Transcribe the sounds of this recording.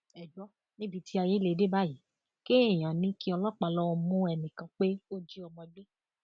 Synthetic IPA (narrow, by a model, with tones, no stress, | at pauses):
ɛ˨d͡ʒɔ˨˦ | nĩ˦bi˧tʰi˦a˧je˦le˧˨˧de˦ba˦ji˨˦ | ke˦e˦˨j̃ã˨nĩ˨˦ki˦ɔ˧lɔ˦k͡pa˧lɔ˦ɔ˧mũ˦ɛ˧nĩ˨kã˧˦k͡pe˦o˦d͡ʒi˦ɔ˧mɔ̃˧ɡ͡be˦